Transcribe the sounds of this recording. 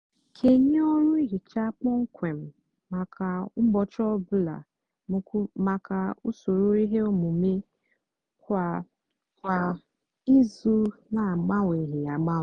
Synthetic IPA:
kʰe˨ɲe˦ɔ˦ɾʊ˦i˦ɦi˨t͡ʃa˦k͡pɔ˦ŋ̩˦kʷe˨m̩˨ | a˨ka˨˦bɔ˨t͡ʃɔ˦bʊ˦la̰˨˦ | ma˨kʰa˨u˦so˨ɾu˦i˦ɦe˦o˦mu˨mi˦ | kʷa˨ | ka˨ | i˦zu˦na˨ɡ͡ba˦ŋʷe˨ɦi˨a˨ɡ͡ba˦˨

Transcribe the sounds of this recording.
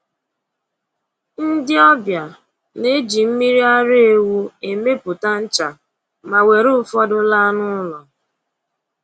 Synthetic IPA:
n̩˦dɪ˦ɔ˦bja˨ | ne˦d͡ʒi˨m̩˦mi˦ɾi˦a˦ɾe˨wu˦e˨me˦pʊ˨ta˦n̩˦t͡ʃa˨ | ma˨we˨ɾʊ˦fɔ˦dʊ˦la˦nʊ˦lɔ˨

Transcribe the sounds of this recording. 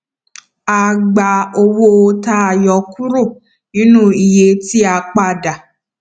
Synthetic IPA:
a˨ɡ͡ba˨o˧wo˦o˧ta˧˦a˨jɔ˨ku˦ɾo˦˨ | nĩ˦nũ˦˨i˨je˨˦ti˦a˧k͡pa˦˧˨da˨

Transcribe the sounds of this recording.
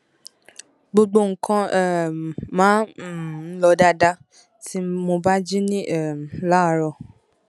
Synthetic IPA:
ɡ͡bo˧ɡ͡bo˧ŋ̩˨kã˧ɛ˦˨mãː˨˦˨ | lɔ˧da˧da˧ | tʰi˦mo˧ba˦d͡ʒi˦nĩ˦ʔɛ˦˨la˦˨ɾɔ˧˨

